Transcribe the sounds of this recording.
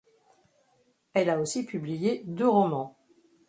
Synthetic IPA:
ɛlaosipyblijed̪øʁɔmɑ̃

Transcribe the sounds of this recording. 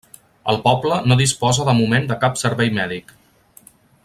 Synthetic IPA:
ə̰lˠpɔblənoðispɔzəðəmumend̪əkapsəɾβɛjmɛðik

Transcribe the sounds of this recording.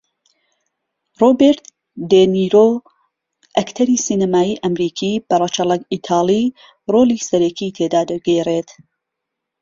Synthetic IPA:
roːbeɾt̪ | d̪eniɾoː | ʔɐkt̪ʰɐɾiːsiːnɐmaːjiːʔɐmɾiːkʰiːb̥ɐrˤɐt͡ʃɐlˠɐɡit̪ʰaːlˠi | roːliːsɐɾɐkʰiːt̪ʰeːd̪aːd̪ɐɡereːt̪

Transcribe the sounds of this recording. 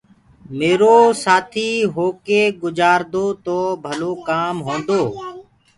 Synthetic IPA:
meːɾoːsaːt̪ʰiːɦoːkeːɡʊd͡ʒaːɾd̪oːt̪oːbʱəloːkaːmɦõːnd̪oː

